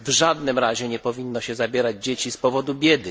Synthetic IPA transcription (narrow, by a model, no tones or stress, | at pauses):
vʐad̪nɘmɾaʑɛɲɛpɔvʲinːɔɕɛzabʲjɛɾad͡ʑd͡ʑet͡ɕispɔvɔd̪ubʲjɛd̪ɘ